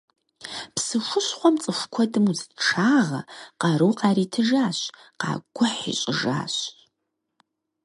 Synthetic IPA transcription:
psɨʃʷʊɕχʷɔmt͡sʼɨfʷkʷʰɔdɨmuzʈ͡ʂʰaːʁɐ̰qɐɾuwqaːɾiːtʰɨʒaːɕ | qɑ̰ːɡʷʊħḭɕʼɪʒa̰ːɕ

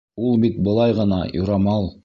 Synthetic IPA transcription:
ulˠbit̪̚bɤ̆lˠɑjʁɤ̆nɑjoɾɑmɑlˠ

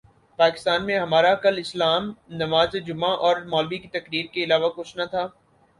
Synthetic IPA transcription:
paːkɪ̥st̪aːnmẽɦɐmaːɾakɐlɪslaːmnɐmaːzed͡ʒʊmãʔɔːɾmɔːlbikit̪ɐkɾiːɾkeɪlaːʋakʊt͡ʃʰnat̪ʰaː

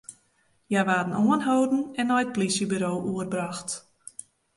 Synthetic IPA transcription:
jaʋaːdən̩ʔoənɦowdn̩ɛnːɔjət̚polisjəbyːɾoːʔuərbraxt

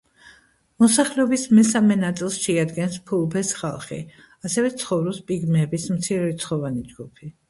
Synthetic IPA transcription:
mɔsaχlɛɔbismɛsamɛnat̪sʼilˠsʃɛad̪ɡɛnspʰulˠpɛsχa̰lˠχḭ | asɛvɛt̪sʰχɔvɾɔspʼiɡmɛːbismt̪sʰiɾɛt̪sʰχɔvanid͡ʒɡupʰi

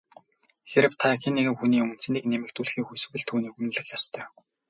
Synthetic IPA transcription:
xeɾɘ̆wt̪ʰakʰinːeɣɘ̆mxuniːɵmɵ̆n̥t͡sɘ̆niːknemɘ̆k̚t̪ʰuːɮxiːŋxusɘ̆ɣwɘ̆ɮt̪ʰuːniːkumn̆ɮɘ̆xjɔst̪ʰœː

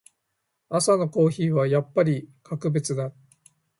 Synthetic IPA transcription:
asano̞ko̞ːçiːβajapːaɾʲikʰakɯ̟be̞t͡sɨd̪a

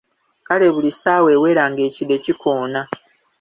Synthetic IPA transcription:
kale̞βulisaːwe̞ːwe̞ːɾaŋɡe̞ːcide̞cikoːna

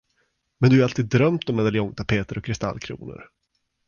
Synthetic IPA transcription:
mɛnd̪ɵhaɾalt̪ʰiːd̪ːɾœmt̪ɔmːɛd̪aljɔŋt̪ʰapʰeːt̪əɾɔkʰːɾɪst̪a̰lːkʰɾṵːnʊ̰ɾ

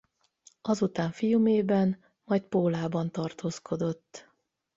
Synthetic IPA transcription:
ɒzut̪aːɱfijumeːbɛn | mɒjt̪̚poːlaːbɒnt̪ɒrt̪oːskʰo̞d̪o̞t̪ː

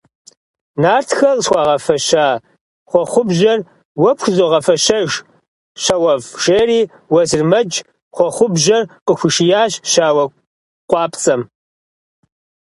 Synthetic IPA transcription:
naːrtʰxɐrswʷɑʁɐfɐʃaː | χʷɔχʷʊbʑɐr | wɐpxʷzoʁɐfɐɕɐʒ | ɕɐwɐvʒeːriː | wɐzɨrmɐd͡ʒ | χʷɔχʷʊbʒɐrqəxʷʊʃɪjaːʑʃaːwɐ | qʷʼɑːpt͡sʼɐm

